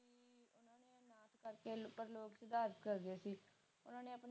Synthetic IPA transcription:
ʊnãːneːnaːt̪ʰkəɾkeːpəɾloːkt͡ʃəd̪aːɾət̪kəɾd̪eːsiː | ʊnãːneːəpn

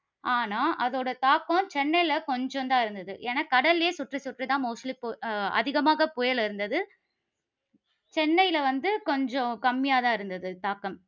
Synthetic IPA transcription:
aːnaːʔɐðoːɽɐt̪aːkõt͡ʃɛnːɐjlɐkɔɲd͡ʒɔ̃nd̪ãːɪɾɯnd̪ɐðɯʔeːnaːkɐɽɐleːsʊʈrisʊʈrit̪ãːmoːʂɐlipoːɐ̰ðɪɣɐmaːɣɐpʊjɐɭɪɾɯnd̪ɐðɯ | t͡ʃɛnːɐjɪlɐʋɐnd̪ɯkɔɲd͡ʒɔ̃kɐmːɪjaːt̪ãːɪɾɯnd̪ɐðɯt̪aːkːɐm

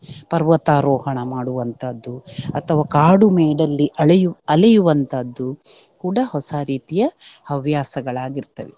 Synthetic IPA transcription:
pɐɾʋɐt̪aːɾɔːɦɐɳɐmaːɽuʋɐnt̪ɐd̪ːuɐt̪ʰɐʋaːkaːɽumeːɖɐlːiʔɐɭjuɐlɐjuʋɐnt̪ɐd̪ːukuːɽɐhɔsaɾiːt̪ijɐɐʋjaːsɐɡɐɭaːɡiɾt̪ɐʋe

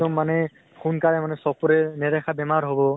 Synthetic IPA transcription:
ɔmːanɛ | xunkaɹɛmanɛsɔkɔɾɛnɛɾɛkʰabɛmaɹɦobɔ

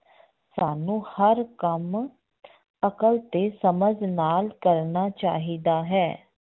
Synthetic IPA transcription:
saːnũːhəɾkəm | əkəlt̪eːsəməd͡ʒnaːlkəɾnaːt͡ʃa̰ːɦiːd̪aːɦɛː

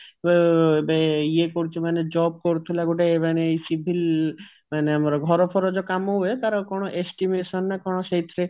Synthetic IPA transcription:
bbeiekoɾt͡ʃʰimaned͡ʑɔb̚koɾt̪ʰulaɡuʈaemanesibʱil | maneamaɾɔɡʱɔɾɔpʰɔɾɔd͡ʒɔkamoet̪aɾɔ̃kɔnoʔesʈimeʃɔnːakɔnoʃeit̪ɾe

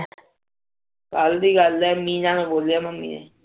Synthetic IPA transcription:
kəld̪iːɡəlɛːmĩːnãːnũːboːlijaːməmːḭːnḛː

